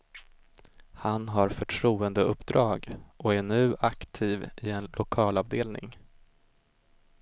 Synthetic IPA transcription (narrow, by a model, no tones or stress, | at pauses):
hanɦaɾfœʈʰɾuːənd̪əɵpːd̪ɾɑːɡʔɔæɳʉ̟ːʔakt̪ʰiːvɪɛnlʔʊkʰɑːlɑvd̪eːlnɪ̰ŋ